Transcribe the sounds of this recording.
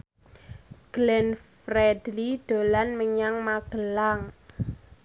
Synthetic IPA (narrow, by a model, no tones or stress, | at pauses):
ɡ̥lɛnfrɛd̥liɖ̪̥o̤lanməɲaŋmaɡ̥əlaŋ